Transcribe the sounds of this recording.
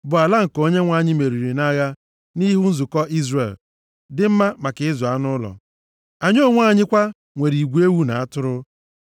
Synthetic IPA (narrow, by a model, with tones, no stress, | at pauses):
bʊ˨a˨la˦ŋ̩˨ko˦ɲe˦ŋʷa˦˨ɲɪ˦me˨ɾi˨ɾi˨na˦ɣa˦ | ni˦ɦu˦n̩˦zu˨kɔ˦ʔi˦zrḛ˨l | dɪ˦m̩˦ma˦ma˨kɪ˨˦ɪ˦zʊ˨a˦nʊ˦lɔ̰˨ | a˨ɲo˦˨ŋʷa˦˨ɲɪ˦kʷa˦ | ŋʷe˨ɾi˨ɡʷu˦e˦wu˦na˨a˦tʊ˦ɾʊ˦